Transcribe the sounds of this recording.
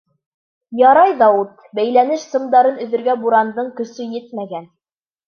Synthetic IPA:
jɑɾɑjðɑwut̪ | bæjlænɘʃsɤ̆md̪ɑɾɤnɵ̆ðɵ̆ɾɡæbuɾɑnd̪ɤɴkɵ̆sɵjɘt̪̚mæɡæn

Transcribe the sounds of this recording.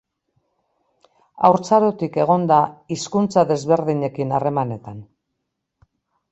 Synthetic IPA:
a̰wɾt͡saɾot̪ike̞ɣ̞o̞nd̪aiskunt͡saðe̞zβe̞ɾðiɲe̞kinare̞mane̞t̪an

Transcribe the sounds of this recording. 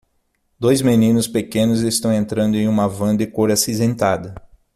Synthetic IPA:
d̪ojzmenĩnʊspekẽnʊzest̪ɐ̃w̃ẽnt̪ɾɐ̃nd̪ʊẽj̃ũmɐvɐ̃d̪ɪkoɾasizẽnt̪ad̪ɐ

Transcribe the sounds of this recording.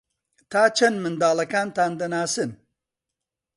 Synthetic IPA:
t̪ʰaːt͡ʃʰɐnmɨnd̪aːlˠɐkaːnt̪aːnd̪ɐnaːsɨn

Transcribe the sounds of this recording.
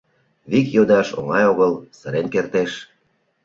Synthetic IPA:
βikjod̪ɑʃo̰ŋɑjoɣəlsə̆ɾenkert̪eʃ

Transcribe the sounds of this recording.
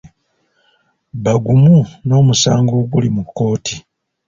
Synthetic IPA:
βaɡumuno̞ːmusaːŋɡo̞ːɡulimukːo̞ːtʰi

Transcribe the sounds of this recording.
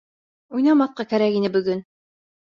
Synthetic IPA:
ujnɑmɑθ̚qɑkæɾækinɘbɵ̆ɡɵn

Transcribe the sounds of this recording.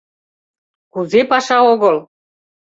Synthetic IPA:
kuzepɑʃɑoɣəl

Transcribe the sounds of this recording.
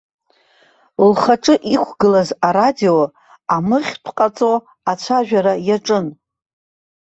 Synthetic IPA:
lχaʈ͡ʂʼɨʔikʷʰɡɨlazaɾadio̞ | amɨχʲtʷʰqʼat͡sʼo̞ | at͡ɕʷʰaʒᶣaɾajaʈ͡ʂʼɨn

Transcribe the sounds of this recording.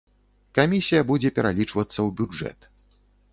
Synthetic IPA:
kamʲisʲijɐbud͡zʲɛpʲɛɾalʲit͡ʂvɐt̪sːɐwbʲud͡ʐɛ̰t̪

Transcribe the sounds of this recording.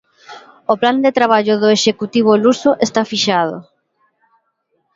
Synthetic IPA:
opland̪et̪ɾaβ̞aʎʊðoeʃekut̪iβ̞olusoʔest̪afiʃað̞o̰

